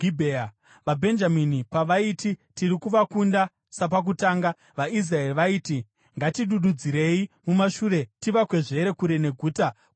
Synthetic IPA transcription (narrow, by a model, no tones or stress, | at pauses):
ɡibʱea | ʋabʱe̞nd͡ʒaminipaʋaititirikuʋakunda | sapak̬utaːŋɡa | ʋais̬rae̞riʋaiːti | ŋɡatiɗuɗud͡ziɾe̞imumaʃuːɾe̞tiʋakwe̞ʐe̞ɾe̞kuɾe̞ne̞ɡʱuːta